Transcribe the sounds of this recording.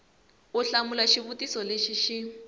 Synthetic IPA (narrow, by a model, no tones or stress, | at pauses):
ʊɬamulaʃiβutisɔleʃiʃi